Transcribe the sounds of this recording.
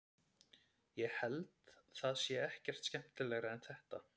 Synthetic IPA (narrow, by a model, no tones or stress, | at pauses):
jɛhɛlt̪θaðsjɛɛhcɛr̥t̪scɛm̥t̪ɪlɛːɣɾaɛnθɛht̪a